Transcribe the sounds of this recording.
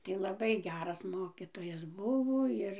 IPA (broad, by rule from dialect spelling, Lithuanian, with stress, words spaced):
ˈtɐɪ lˠɐˈbɐɪ ˈɡʲæːrɐs ˈmoːkʲɪtoːjɛs ˈbʊʋoː ˈɪr